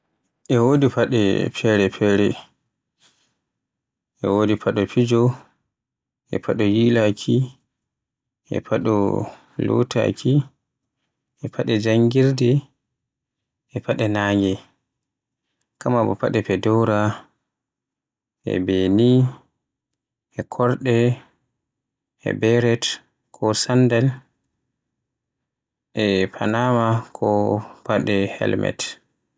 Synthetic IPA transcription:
ʔɛwoːdipaɗɛ̰pʰɛɾɛpʰɛɾɛ | ʔɛwodipʰaɗɔpid͡ʒɔ | ʔɛ̰pʰaɗɔjilakʰi | ʔɛ̰paɗɔ̰ | lɔ̰tʰa̰kʰi | ʔɛpʰaɗɛd͡ʒaŋɡiɾdɛ | ʔɛpaɗɛnaːŋɡɛ | kamabɔpa̰ɗɛpɛdɔwɾa | ʔɛ̰beni | ɛkʰɔɾɗɛ | ɛ̰bɛɾɛt | kʰɔsandɛl | ʔɛpʰanamakʰɔpaɗɛhɛ̰lmɛ̰t

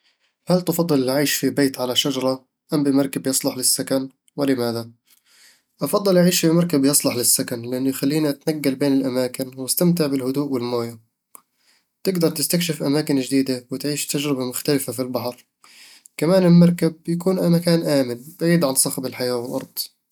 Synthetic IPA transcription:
halt̪ɑfɑd̪ˤːɨlʔʕiːʃfibeːt̪ʕalaʃad͡ʒɑɾˤɑ | ʔambɪmɑɾˤkabjɪsˤlʊħlɪsːakan | wɪlɪmaːða | ʔɑfɑd̪ˤːɨlʔaʕiːʃfimɑɾˤkabjɑsˤlʊħlɪsːakanlɪʔɪnːʊjxalːiːniʔat̪naɡːalbeːnɪlʔamaːkɪnwɪst̪amt̪̬ɪʕbɪlhʊd̪uːʔwɪlmoːja | t̪ɪɡd̪ɑɾˤt̪ɪst̪akʃɪfʔamaːkɪnd͡ʒd̪iːd̪awɪt̪ʕiːʃt̪ad͡ʒɾɪbamʊxt̪alɪfafilbɑħɾ | kamaːnɪlmɑɾˤkab̚jakuːnʔamakaːnʔaːmɪnb̥aʕiːd̪ʕansˤɑxbɪlħajaːwɪlʔɑ̰ɾˤd̪̥ˤ

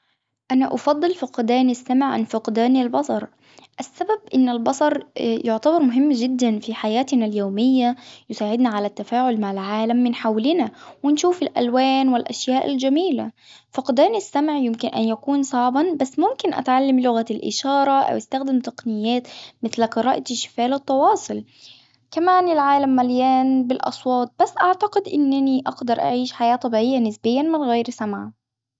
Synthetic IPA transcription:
ʔanaʔɑfɑd̪ˤːɨlfʊqd̪aːnasːamʕʕa̰nfʊqd̪aːnalbɑsˤɑɾˤ | ʔasːababʔɪnːalbɑsˤɑɾˤjʔʊʕt̪abɑɾˤmʊɦɪmːd͡ʒɪd̪ːanfiħajaːt̪naljoːmɪjːajʊsaːʕɪd̪naʕalat̪ːafaːʕʊlmaʕalʕaːlamːɪnħawlɪnawɪnʃuːfɪlʔa̰lwaːnwɪlʔa̰ʃjaːʔɪ̰ld͡ʒamiːla | fɑqd̪aːnɪsːamʕjɪmkɪnʔa̰njakuːnsˤɑʕbɑnbasːmʊmkɪnʔa̰t̪ʕalːamlʊɣalʔɪ̰ʃɑːɾˤɑʔa̰wʔast̪axd̪ɪmt̪ɑqnɪjːaːt̪mɪθlqɨɾɑːʔʃːɪ̥faːlɪt̪ˤːɑwɑːsˤʊl | kamaːnɪlʕaːlamːaljaːnbɪlʔɑ̰sˤwɑːt̪̚ˤb̥asːʔaʕt̪aqɪd̪ʔɪnːaniʔɑɡd̪ɑɾˤʔa̰ʕiːʃħajaːt̪ˤɑbiːʕɪjːanɪsbɪjːanmɪnɣeːɾsamʕ

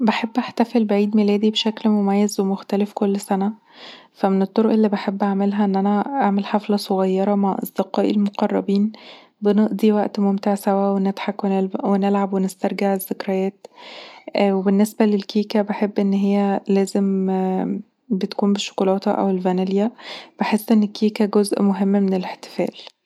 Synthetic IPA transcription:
beħebːʔaħt̪æfelbeʕiːd̪melæːd̪ibeʃæklmomæjːæzwemoxt̪ælefkolːsænæ | fæmenet̪ˤːoɾoʔelːibaħebːʔaʕmelɦæʔenːʔænæʔaʕmelħaflɑsˤoɣɑjːɑɾˤɑmaʕʔɑ̰sˤd̪eqɑːʔilmoqɑrˤːɑbiːn | beneʔd̪iwæʔt̪momt̪eʕsæwæwenet̪ħakwenwenelʕabwenɪst̪æɾˤɡeʕezːekɾæjæːt̪ | webenːesbælelkiːkæbeħebːʔenːɦejːælæːzem | bet̪kuːmbeʃːo̥kolɑːt̪ɑ̰ʔæ̰welvænæljæb̥eħesːʔenːekːiːkæɡozʔmoɦemːmeneleħt̪e̥fæ̰ːl

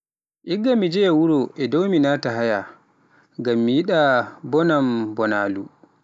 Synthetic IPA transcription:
ʔiɡːamːid͡ʒɛjawuɾɔʔɛdɔwminaːtaɦaja | ŋɡamːijiɗabɔnambɔnaːlu

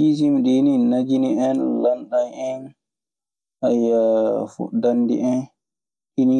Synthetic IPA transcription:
is̬imɗininad͡ʒiniɛnlanɗajɛn | ʔajːafṵdandḭʔɛn | ʔini

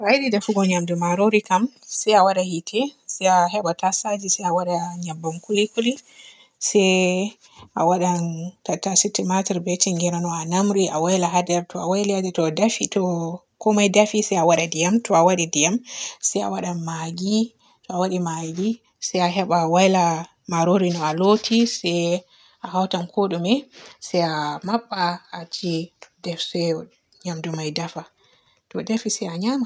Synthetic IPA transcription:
ajdidafuɡɔɲamdumaɾoɾikamsɛjawaɗahitʰɛsɛjaɦɛɓatasad͡ʒisɛjawaɗaɲabːamkulikuli | sɛj | ʔawaɗatatːasitːimatiɾbɛt͡ʃiŋɡɛɾanɔanamɾiʔawajlaɦadɛɾtɔawajliadɛtɔdafitɔ | kɔmajdafisɛjawaɗadijamtɔawaɗidijamsɛja̰waɗamaɡi | tɔawaɗimaɡi | sɛjaɦɛɓawajla | maɾoɾinɔalotʰisɛj | ʔaɦawtankʰoɗumɛsajamaɓːaːt͡ʃidɛfsɛjɔ | ɲamdumajdafa | tɔdafisɛjaɲama

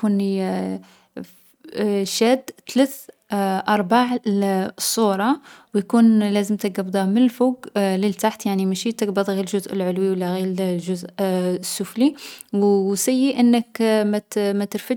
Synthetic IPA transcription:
kuni | ʃæːd̪t̪læθʔɑɾˤbaʕ | sˤːuːɾˤɑwjkunlæzəmt̪əɡɑbd̪ˤɑmənəlfuːɡləlt̪aħt̪jaʕnimæʃit̪əɡbɑd̪ˤɣiɾlʒʊzʔəlʕʊlwiwəlːæɣiʒʊzʔsːʊfliwsæjːiʔənːəkmæmæt̪əɾfə

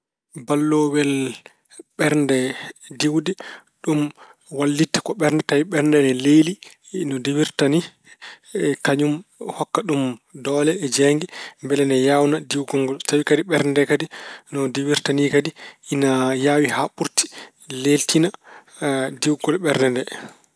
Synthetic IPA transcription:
balːowɛl | ɓɛɾndɛdiwdɛɗumwalːitːḁkɔɓɛɾndɛtawiɓɛɾndɛnɛleli | nɔdewiɾtani | kaɲumhɔkːaɗumdɔːlɛːd͡ʒɛŋɡɛmbɛlɛnɛjawnadiwɡɔŋɡɔlsawikadiɓɛɾndɛkadinɔdewiɾtanikadiinajawihaɓuɾti̥ | leltina | diwɡɔlɓɛɾndɛndɛ

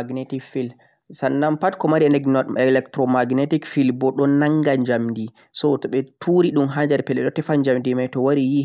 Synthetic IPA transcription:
aɡnetikfil | sanːampatkɔmaɾiɛlɛɡɛlɛktɾɔmaɡnetikfilbɔɗɔnaŋɡaɲd͡ʒamdi | sɔtɔɓɛtʰuɾiɗumɦaɲd͡ʒaɾpɛlɛɗɔtɛfaɲd͡ʒamdimajtɔwaɾiji

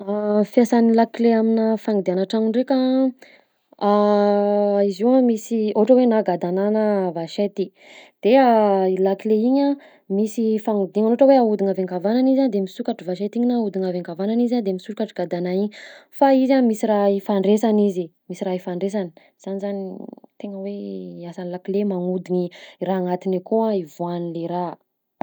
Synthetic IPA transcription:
afiasanilakileaminafaŋid̪ianaʈ͡ʂamiɳɖ͡ʐekʲa | a | iziamisioʈ͡ʂəwenaɡad̪ananəvaʃet̪i | d̪̥eailakileiɲa | misifaŋud̪iŋanoʈ͡ʂəweaud̪iŋavaŋɡavananizand̪emisukaʈ͡ʂivaʃet̪iɲinaud̪iŋaveŋɡavananizad̪emisukaʈ͡ʂiɡ̥ad̪anaiɲifaizamisiɾaifaɳɖ͡ʐesanizimisiraifaɳɖ͡ʐes̬ani̥ | z̥anizanit̪eŋəweasanlakilemaŋud̪iɲiraːŋat̪inakuaivuanileɾa

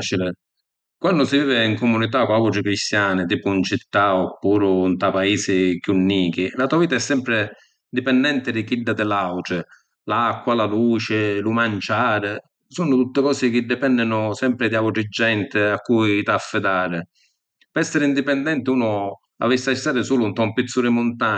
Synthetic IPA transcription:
t͡ʃil | kwanːʊsiviːvɪiŋkomunit̪akwawʈɾɪkɾist̪jaːnɪt̪iːpʊnt͡ʃit̪ːaɔpːuːɾʊnt̪apaiːsɪkjunːiːk̟ilat̪uaviːt̪aɛsːɛmpɾɪ | d̪ipɛnd̪ɛnt̪ɪd̪ɪkid̪ːad̪ɪlawʈɾɪ | lakːwalaluːt͡ʃɪlumant͡ʃaːɾɪ | sunʊt̪ut̪ːɪkɔːsɪk̟ɪd̪ːɪpɛnːɪnʊsɛmpɾɪd̪iawʈɾɪd͡ʒːɛnt̪ɪakːujt̪afːɪd̪aːɾɪ | pɛɾɛsːɪɾɪind̪ipɛnd̪ɛnt̪ɪuːnʊ | a̰visːajst̪ːaːɾɪsuːlunt̪ɔmpit̪sːuɾɪmʊnt̪a

